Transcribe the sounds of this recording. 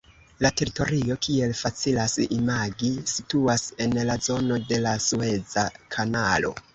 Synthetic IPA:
late̞ɾito̞ɾio̞kʰie̞lfat͡silasimaɡisituase̞nlazo̞no̞de̞lasue̞d͡zakʰanalo̞̰

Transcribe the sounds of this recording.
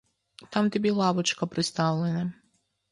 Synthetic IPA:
t̪amt̪ibilˠabot͡ʃkapɾest̪aʋlʲena

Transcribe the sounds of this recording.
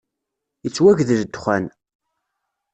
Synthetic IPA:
jət͡sːwæʝðəʒd̪χʷæn

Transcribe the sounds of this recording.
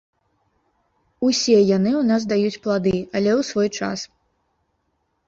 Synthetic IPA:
usʲɛjanɨwnasd̪ajut͡sʲplˠad̪ɨɐlʲɛwsvɔjt͡ʂa̰s

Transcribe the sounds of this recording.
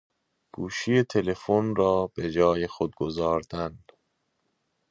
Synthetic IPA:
ɡ̥uːʃijet̪ʰe̞le̞fonrɒːb̥e̞d͡ʒɒːjexod̪̚ɡozɒːɾd̪̥æn

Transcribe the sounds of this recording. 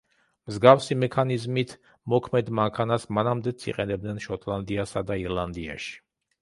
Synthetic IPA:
mzɡafsimɛkʰanizmit̪ʰ | mɔkʰmɛd̪maŋkʰanasmanamd̪ɛt̪sʰḭqʼɛnɛb̚d̪nɛnʃɔt̪ʼlˠand̪iasad̪aiɾlˠand̪ia̰ʃi̥

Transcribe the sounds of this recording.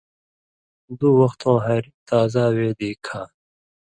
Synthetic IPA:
d̪uwɐxt̪ʰõːɦɐɾt̪aːzaːweːd̪iːkʰaː

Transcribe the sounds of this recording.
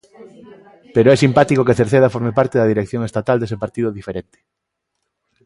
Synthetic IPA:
peɾoɛsimpat̪ikok̬eθeɾθeðɐfoɾmepaɾt̪eðɐðiɾekθjoŋest̪at̪ald̪esepaɾt̪iðoðifeɾent̪e̥

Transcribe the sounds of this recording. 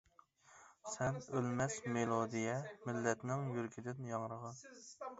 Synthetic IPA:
sɛnølmɛsmelˠod̪ijɛmɪlːɛt̪nɪŋjyɾkʲʰid̪ɪnjɑŋɾəʁɑ

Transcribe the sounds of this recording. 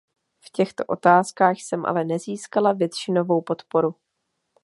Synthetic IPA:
fcɛxt̪o̞ʔo̞t̪aːskaːxsɛmʔa̰lɛnɛziːskalavjɛt̪ʃɪnovo̞wpo̞t̪po̞ɾu

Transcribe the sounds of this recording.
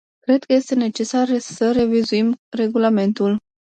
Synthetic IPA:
kɾe̞d̪̚kəje̞st̪e̞ne̞t͡ʃe̞saɾesəɾe̞vizuimre̞ɡulame̞nt̪ul

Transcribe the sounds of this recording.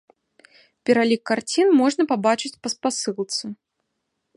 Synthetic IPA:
pʲɛɾalʲikːart͡sʲinmɔʐnɐpabat͡ʂɨt͡sʲpɐspasɨlˠt̪sɨ

